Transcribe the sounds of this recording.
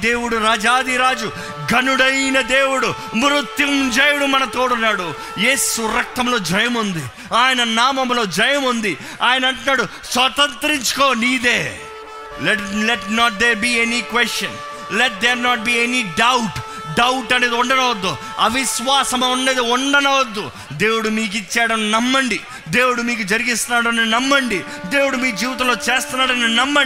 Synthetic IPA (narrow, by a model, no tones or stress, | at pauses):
d̪eːwuɽuɾaːd͡ʒaːd̪iɾaːd͡ʒu | ɡɐnuɽɐjnɐd̪eːwuɽu | mɾut̪jimd͡ʒɐjuɽumɐnɐt̪oːɽunːaːɽu | jeːsuɾɐk̚t̪ɐmlo̞ːd͡ʒɐjɐmund̪i | aːjɐnɐnaːmɐmlo̞ːd͡ʒɐjɐmund̪i | aːjɐnɐɐɳʈunaːɽu | sʋɐt̪ɐnt̪ɾiɲt͡ʃu̥koːniːd̪eː | leʈleʈnɔːʈ̚d̪eːɾbiːenikʋesʈjɐn | leʈ̚d̪eɾnɔːʈ̚biːeniɖɐwʈ | ɖɐwʈɐne̞ːd̪iuɳɖɐnɐʋɐd̪ːu | ɐ̰ʋiʃʋaːsɐmɐnːeːd̪iuɳɖɐnɐʋɐd̪ːu | d̪e̞ːwuɽumiːk̬it͡ʃːaːɽɐnnɐmːɐɳɖi | d̪e̞ːwuɽumiːk̬ud͡ʒɐɾiɡist̪unaːɽɐnenɐmːɐɳɖi | d̪e̞ːwuɽumiːd͡ʒiːʋit̪̬ɐmlo̞ːt͡ʃe̞ːst̪unːaːɽɐnenɐmːɐ